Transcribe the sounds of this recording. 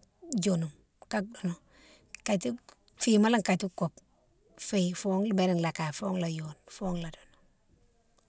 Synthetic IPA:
d͡ʒo˨nu˨m | ka˦k̚do˨no˨ | ka˨ti˦ | fima˦la˦ŋka˨ti˦ko˨p | fefo˦ŋlbe˨ɾi˦ŋla˨ka˨foː˦ŋla˨jonfoː˦ŋla˨do˨no

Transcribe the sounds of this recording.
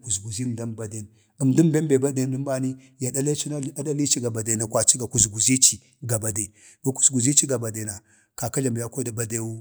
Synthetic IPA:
ku˨zɡu˨zi˦m˨da˦mba˨de˨n | ə˨mdu˦m˦be˦mbe˨ba˦de˨˦də˦m˦ba˦ni˦ | ja˨da˦la˦t͡ʃi˦na˦a˦da˦li˦t͡ʃi˦ɡa˨ba˨de˨na˨kʷwa˨t͡ʃi˦ɡa˨ku˨zɡu˨zi˦t͡ʃi˨ | ɡa˨ba˨de˨ | ɡa˨ku̥˨zɡu˨zi˦t͡ʃi˦ɡa˨ba˨de˨na˨ | ka˨ka˦ɮa˨m˨ja˦ko˦da˨ba˦de˦wu˦

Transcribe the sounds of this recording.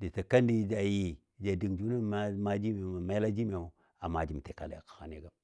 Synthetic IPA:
di˨ta˨ka˦ndi˦˨d͡ʒa˨ji˨ | d͡ʒa˨di˨ŋd͡ʒu˦na˦˨˦ma˦d͡ʒi˦me˨ma˨ma˦la˦d͡ʒi˦me˨u˨ | a˨ma˨d͡ʒi˨m˨te˨ka˨la̰˨a̰˨kḁ˨xa˨ne˨ɡa˦

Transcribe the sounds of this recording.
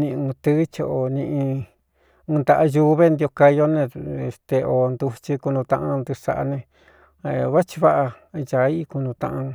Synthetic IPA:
nĩ˧ũ˧t̪ɨ˦t͡ʃo˧˨ʔo˧nĩ˧ʔĩ˧ | ũ˧nd̪a˧ʔa˧ju˧βe˦nd̪i˧o˧ka˧jo˦nẽ˧e˧˨st̪e˧ʔo˨˧nd̪u˧t͡ʃi˧ku˧nũ˧t̪ã˧ʔã˧nd̪u˧ʂa̰˧ʔa̰˧nẽ˧ | e˧βa˦t͡ʃi˧βa˦ʔa˧ja˨˦i˦˧ku˧nũ˧t̪ã̰˧ʔã˧

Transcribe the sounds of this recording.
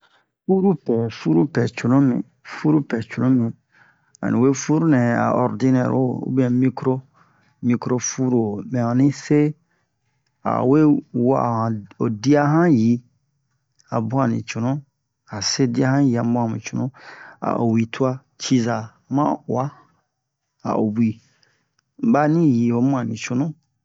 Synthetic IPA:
fu˦ɾu˦pɛ˨fu˦ɾu˦pɛ˨t͡ʃu˨nũ˦mḭ̃˨ | fu˦ɾu˦pɛ˨t͡ʃu˨nũ˦mĩ˨ | a̰˨nĩ˨we˦fu˦ɾu˦nɛ̃˨a̰˨ɔ˨ɾdi˦nɛ̰˨ɾo˦˨ṵ˦bi˦ɛ̃˨mĩ˦kɾo˦ | mi˦kɾo˦fu˦ɾo˨mɛ̃˨ã˨nĩ˦se˦ | a̰˨we˦wa̰˦˨hã˨o˨di˦a˦ɦã˦ji˨ | a˨bũ˦ã˨nḭ̃˨t͡ʃu˨nũ˦ | a˨se˦di˦a˦hã˦ji˨a˨m˦bũ˦ã˨mĩ˨t͡ʃu˨nũ˦a̰˨ʔo̰˨wi˨tʰu˦a˦ | t͡ʃi˦za˨ | mã̰˦˨a˦ | a̰˨ʔo˨bi˨ | m̩˨˦ba˦nĩ˦ji˨o˨˦mũ˦ã˨nĩ˨t͡ʃu˨nũ˦

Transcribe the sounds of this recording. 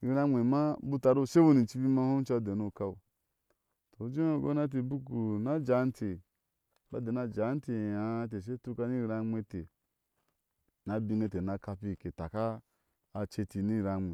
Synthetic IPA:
i˨ɾa˦mʷe˨ma˦bu˦ta˨ɾu˦˨ʃe˦bu˦ni˨t͡ʃi˦bi˦ma˦ho˦m˦t͡ʃa˦˨de˨nu˦˨ka˦u˨ | to˨˦d͡ʒe˦o˦˨ɡo̰˦na˦t̬i˨˦bu˦ku˨na˦d͡ʒa˨˦n˦tʰe˨ | ba˨de˨na˨d͡ʒa˨˦n˦te˨ja˨˦t̬e˨ʃ̬e˦tu˦ka˧˦ni˦˨˦ɾa˦mʷe˦te˨ | na˨bi˦ŋɡe˦te˨na˨˦ka˧pi˦˨ke˨ta˨kaː˦˧ | t͡ʃe˧ti˨ni˦˨ɾa˨mʷ˨e˨

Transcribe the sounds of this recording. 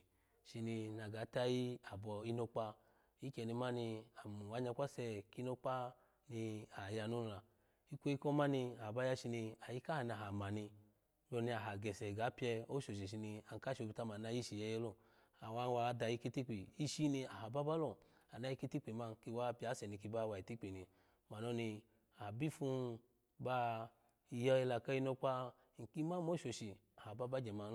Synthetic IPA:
ʃi˧ni˧na˨ɡa˨˦ta˦ji˦a˨bɔ˧i˧˦no˧k͡pa˧ | i˦kɛ˧˨ni˧ma˦ni˧a˨mu˨wa˨˦ɲa˧˦kʷa˦sɛ˧ki˦no˧k͡pa˦ | ni˧a˨ja˧nu˦˧la˨ | i˦kʷo˦i˦kɔ˦ma˦ni˧a˨ba˦ja˧ʃi˧ni˧a˨ji˦ka˦ha˨ni˧a˨ɦa˨ma˨ni˧ | m˦ɔ˧˨ni˧a˨ɦa˨ɡɛ˨sɛ˨ɡa˨˦pi˦ɛ˧o˦ʃo˨ʃɛ˨ʃ̬i˧ni˧a˨ŋ˨ka˦ʃo˧bi˧ta˧ma˨na˧˦ji˦ʃi˨jɛ˧˦jɛ˧˦lo˦˨ | a˨wa˧˦n˧wa˧˨˦da˧ji˧˦ki˦ti˦k͡pi˨i˦ʃi˦ni˧a˨ɦa˨ba˦ba˦lɔ˦˨ | a˨na˧˦i˦ki˦ti˦k͡pe˨ma˧˨ki˧˦wa˦pi˧˦a˨˦sɛ˨ni˧ki˧ba˦wa˧˨i˨ti˦k͡pe˨ni˧ | ma˨nɔ˦ni˧ | a˨bi˦fu˧ | ba˦ | i˧jɔ˦jɛ˧la˧ka˦i˧no˧k͡pa˦˨ | ŋ̩˨ki˧˦ma˦mo˨˦ʃo˨ʃi˨ | a˨ha˨ba˦ba˦d͡ʒɛ˨ma˨˧˦

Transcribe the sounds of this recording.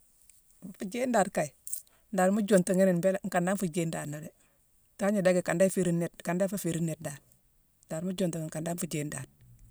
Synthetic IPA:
m˨fu˨d͡ʒe˦ndaː˨ɾka˨i˨ | nda˨ɾmu˦d͡ʒo˨ntu˨ŋi˦ni˨nbe˦lŋ̩˨ka˨nda˦nfu˨d͡ʒe˦nda˨ɾno˨de˨ | ta˦ɲi˨da˦ɡe˨ka˨nda˦fe˨ɾi˦ne˦tka˨nda˦fa˦fe˨ɾi˦nːe˨t̚da˨ɾ | ndaː˨ɾmu˦d͡ʒo˨ntu˨ŋ˨ŋka˨nda˦nfu˨d͡ʒeː˦nda̰ː˨d̚

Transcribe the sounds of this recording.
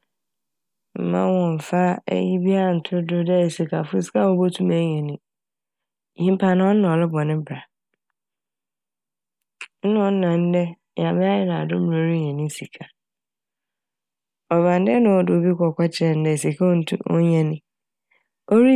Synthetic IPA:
m̩˨mã̰˦wɔ̃˨m˨fa˦ɛ̰˦ji˦bi˦a˦˨n̩˨tʰʊ˦dʊ˦dɛ˦˨si˨kʰa˨fʊ˦sa˦˨o˦bo˦tʰũ˦mɛ˦ɲɛ̃˨nĩ˦ | hĩ˦m˦pʰa˨nã˦ɔ̃˦n̩˦nã˨ɔ˨lɪ˦bɔ˨nɪ̃˦bɾa˨ | n̩˦nã˦ɔ̃˦nã˨n̩˦dɛ˦ | ja˨mɪ̃˦a˦jɪ˦nã˨a˨dʊ˦m˨ɾo˦ɾi˦ɲɛ̃˨nĩ˦si˨kʰa˨ | ɔ˨ba˨n˦dɛ˦nʊ̃˨ɔ˦dɪ˨o˨bi˦kʷʰɔ˨kʷa˦t͡ɕʰɪ˦ɛ˨n̩˦dɛ˨si˨kʰa˦n̩˦tʰṵ̃˦ɔ̰˦ɲã˨nĩ˦ | o˦ɾi˦

